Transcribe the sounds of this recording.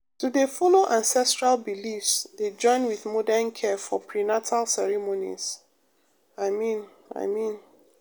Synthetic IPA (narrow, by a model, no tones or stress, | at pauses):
tudefɔloʔãnsɛstɹalbilifsded͡ʒɔ̃ɪ̃nwiθmɔdɛnkʰɛfɔpʰɹinatʰalsɛɹimonḭz̥ | aɪmĩn | a̰ɪmĩn